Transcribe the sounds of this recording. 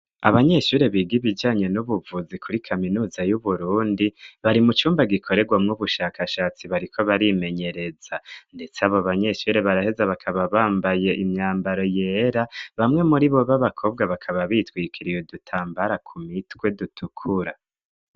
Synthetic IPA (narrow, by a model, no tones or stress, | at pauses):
a̰βaɲe̞ʃuːɾe̞βiːɡiβid͡ʒaːɲe̞nuβuvuzikʰuɾikʰaminuːzajuβuɾuːndiβaɾimut͡ʃuːmbaɡikʰo̞ɾe̞ɡwamŋuβuʃaːkʰaʃaːt͡siβaɾikʰo̞βaɾime̞ɲe̞ɾe̞zande̞t͡saβoaβaɲe̞ʃuɾe̞βaɾahe̞zaβakʰaβaβaːmbaje̞ʔimɲaːmbaɾo̞je̞ɾaβamŋe̞muɾiβo̞βaβakʰo̞ːb̚ɡwaβakʰaβaβitwiːkʰiɾijo̞dutʰaːmbaɾakʰumitwe̞dutʰukʰuɾa